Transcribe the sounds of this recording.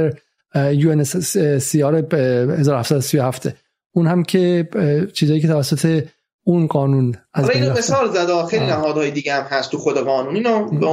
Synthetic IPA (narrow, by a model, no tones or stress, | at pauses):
eɾ | juːensiːɒːɾehe̞zɒːɾohæfsæd̪osijohæft̪e | unhæmcʰe̞t͡ʃʰiːzɒːjiːcʰet̪ʰævæsːot̪ʰe̞ | unɢɒːnunæzɾeinmesɒːlzæd̪ɒxejɾinæɦɒːd̪hɔːjed̪iːɡeæmhæst̪ʰuxod̪eɣɒːnuːniːnobe